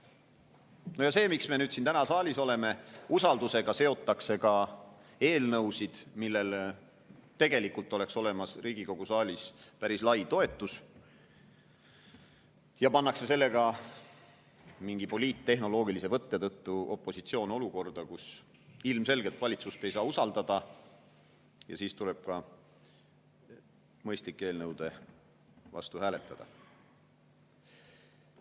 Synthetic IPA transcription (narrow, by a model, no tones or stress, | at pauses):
nojɑse̞ːmiksme̞nyːd̪sint̪ænɑsɑːlʲiso̞le̞me̞usɑld̪use̞ɡ̥ɑse̞o̞t̪ːˑɑkse̞kɑ | e̞ːlnɤwsid̪̥milːe̞l | t̪e̞ɡ̥e̞likult̪ːˑo̞le̞kso̞le̞mɑsriːɡ̥iko̞ɡ̥usɑːlʲispæɾislɑjt̪o̞e̞t̪ːˑus | jɑpɑnːɑkse̞se̞lːe̞ɡɑ | miŋɡ̥ipo̞liːt̪ːe̞ɦno̞lo̞ːɡ̥ilise̞vɤt̪ːet̪ɤt̪ːuo̞pːˑo̞sit̪sio̞ːno̞luko̞rd̪̥ɑkus | ilmse̞lɡe̞t̪vɑlʲit̪sust̪e̞jsɑːusɑld̪ɑd̪̥ɑ | jɑ̰siːst̪ule̞b̥̚kɑ | mɤ̞jst̪likːˑeːlnɤwd̪̥e̞ | vɑ̰st̪uhæːle̞t̪ːˑɑd̪̥ɑ̰